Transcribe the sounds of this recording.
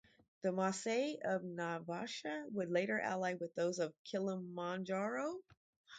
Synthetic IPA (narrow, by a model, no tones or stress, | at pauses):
ðɨmɑseɪʌvnavɑʃɨwədˡleɪɾə˞ʔæ̰laɪwɨðoʊzʌv̥kʰɪlˠə̃mːɑ̃nd͡ʒɑɹoʊ